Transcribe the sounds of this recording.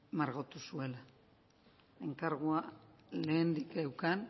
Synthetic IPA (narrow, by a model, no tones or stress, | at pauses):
maɾɣot̪usue̞la | e̞ŋkaɾɣuale̞ːnd̪ikewkan